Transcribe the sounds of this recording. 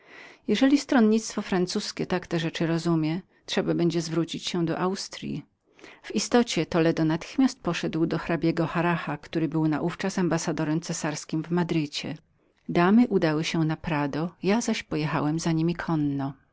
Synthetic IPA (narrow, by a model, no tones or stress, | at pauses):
jɛʐɛlʲist̪ɾɔnɲit̪st̪fɔfɾant̪suskʲɛt̪akt̪ɛʐɛt͡ʂɘɾɔzumʲjɛ | tʂɛbabɛɲd͡ʑɛzvɾut͡ɕit͡ɕɕɛd̪ɔ̰ʔawst̪ɾʲjḭ | v̥ist̪ɔt͡ɕɛt̪ɔlɛd̪ɔnat̪ɘ̥xmʲast̪̚pɔʂɛd̪wd̪ɔxɾabʲjɛɡɔxaɾaxakt̪uɾɘbɘwnaʔuft͡ʂasambasad̪ɔɾɛmt̪sɛsaɾskʲimvmad̪ɾɘt͡ɕɛ̰ | d̪amɘʔud̪awɘɕɛnapɾad̪ɔjazaɕpɔjɛxa̰wɛmzaɲimʲikʰɔnːɔ